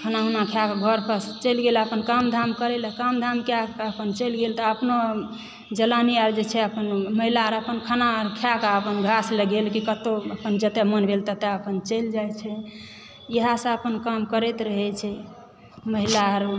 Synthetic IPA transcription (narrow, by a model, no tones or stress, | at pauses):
kʰənaɦunakʰjakɡʱəɾpəst͡ʃəlɡeləpənkamd̪ʱamkəɾɛləkəmd̪ʱamkjaəpənt͡ʃəlɡelt̪əəpno | d͡ʒəlaniaɾd͡ʒet͡ʃʰɛəpənməɦilaəɾəpənkʰanaəɾkʰjakaəpənɡʱasləɡelkikət̪oəpənd͡ʒət̪emənbʱelt̪ət̪eəpənt͡ʃəld͡ʒajt͡ʃʰɛ | jəɦasə̃əpənkamkəɾɛt̪ɾəɦɛt͡ʃʰɛ | məɦilaɾ